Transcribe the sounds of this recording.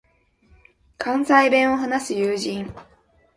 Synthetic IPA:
kʰãñsaibẽ̞ɰ̃o̞ɦanasɨjɯːʑĩŋ

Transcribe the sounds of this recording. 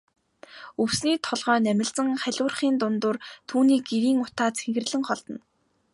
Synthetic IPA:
ɵwsniːt̪ʰɔɮʁœːnæmʲɪ̆ɮt͡sə̆ŋχæɮʲʊːrχiːnt̪ʊnt̪ʊːrt̪ʰuːniːkeɾiːŋʊt̪aːt͡sʰeŋɡɘ̆rɮɘ̆ŋχɔɮt̪ɞ̆n

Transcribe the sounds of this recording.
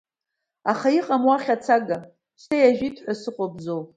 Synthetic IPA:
aχaiqʼamwaχʲat͡sʰaɡa | sejaʒᶣitʰħʷasɨqʷʼobzow

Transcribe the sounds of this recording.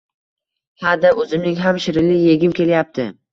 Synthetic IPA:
had̪aʔɵzɪmnɪŋɦamʃɪɾɪlɪjeɡʲɪmkʲʰe̞ljap̚t̪ʰɪ

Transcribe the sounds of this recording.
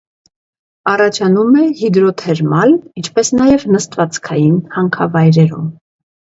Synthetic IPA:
ɑrɑt͡ʃʰɑnumɛhid̪ɾɔt̪ʰɛɾmɑlint͡ʃʰpɛsnɑjɛvnəst̪vɑt͡skʰɑjinhɑŋkʰɑvɑjɾɛɾṵm

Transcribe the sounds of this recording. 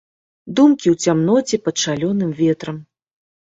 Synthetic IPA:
d̪umkʲiwt͡sʲamnɔt͡sʲɛpɐt̪ʂalʲɔnɨmvʲɛt̪ɾɐm

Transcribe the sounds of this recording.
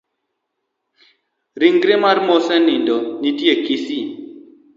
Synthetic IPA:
ɾiŋɡɾɪmaɾmɔsɛnindɔnitjekisi

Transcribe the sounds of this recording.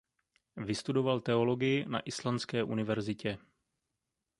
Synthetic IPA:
vɪst̪udo̞valt̪ɛo̞lo̞ɡɪjɪna̰ʔɪslant͡skɛːʔunɪvɛɾzɪcɛ

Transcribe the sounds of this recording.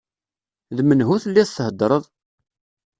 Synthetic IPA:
ðmənɦuθəlːiθθəhəd̪ɾˤəðˤ

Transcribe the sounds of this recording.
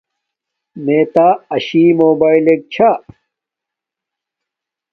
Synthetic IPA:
meːt̪aːɐɕiːmoːbaːilek̚t͡ɕʰa

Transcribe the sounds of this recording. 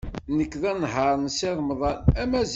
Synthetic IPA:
nəkːðænɦɑɾˤnsɪðˤmðˤɑlæmæz

